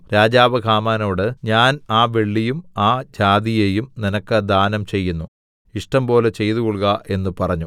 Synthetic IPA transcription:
ɾaːd͡ʑaːʋɐɡʱaːmaːnoːɽɨɲaːnaːʋe̞ɭːijumaːd͡ʑaːd̪ijeːjumninɐkːɨd̪aːnɐmt͡ɕe̞jːunːu | iʂʈɐmpo̞ːlet͡ɕe̞jt̪uɣuɭɣɐʔe̞nːɨpɐrɐɲːu

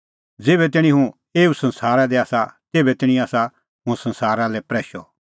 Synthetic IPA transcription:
d͡zeːbɛt̪̬ɪɽ̃ĩɦũ | eːusɐ̃nsaːɾad̪ɛaːsat̪eːbɛt̪ɪɽ̃ĩaːsa | ɦʊ̃sɐ̃nsaːɾalɛpɾɛːʃɔ

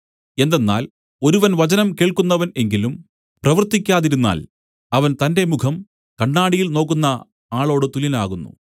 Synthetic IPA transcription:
e̞nd̪enːa̰ːl | o̞ɾuʋɐnʋɐt͡ɕɐnɐmke̞ːɭkunːɐʋɐne̞ŋɡilum | prɐʋɐrt̪ːikʲːaːðiɾunːa̰ːl | ɐʋɐnt̪ɐnde̞mukʰɐm | kɐɳːaːɽijilno̞ːkːunːɐ | aːɭo̞ːɽɨt̪ulilaːɣunːṵ

